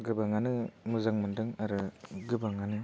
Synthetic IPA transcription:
ɡɯbaŋanɯmɯzaŋmandɯŋaɾɯɡɯbaŋanɯ

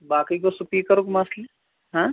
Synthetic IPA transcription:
baːkikosupiːkɐɾokmasle | ɦãː

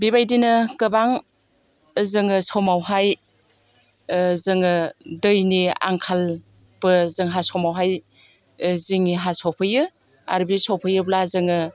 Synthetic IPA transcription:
biβajdinɯkɯbaŋ | zɯŋɯsɔmawɦaj | zɯŋɯdɯjnia̰ŋkʰalbɯzɯŋɦasɔmawɦaj | ziŋiɦasɔpʰɯjɯ | a̰ɾbisɔpʰɯjɯblazɯŋɯ

